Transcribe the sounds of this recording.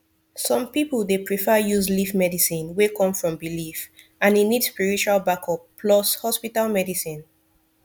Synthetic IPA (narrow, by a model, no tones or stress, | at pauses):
sɔ̃mpipəlˠdepɹifəjuzlifmɛdisĩnwekɔ̃mfɹɔ̃mbilif | ãninidspiɹit͡ʃualˠbakɔpːʰlɔshɔspitalmɛdisĩn